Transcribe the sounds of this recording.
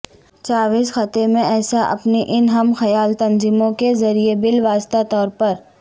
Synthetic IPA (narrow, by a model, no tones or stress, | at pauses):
t͡ʃaːʋiːsxɐt̪emẽɛːsaʔɐ̰pniʔɪnɦɐmxɐjaːlt̪ɐnziːmõkezɐɾiebɪlʋaːst̪at̪ɔːɾpɐɾ